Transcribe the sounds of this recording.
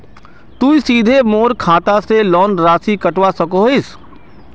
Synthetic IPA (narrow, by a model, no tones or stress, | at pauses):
t̪uːisiːd̪ʱemoːɾkʰaːt̪aselɔːnɾaːsikɐʈwasɐkoɦɪs